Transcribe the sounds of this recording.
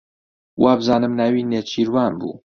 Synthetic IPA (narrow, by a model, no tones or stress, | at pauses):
wʔaːbɨzaːnɨmnawiːneːt͡ʃʰiːɾwɑːnbṵː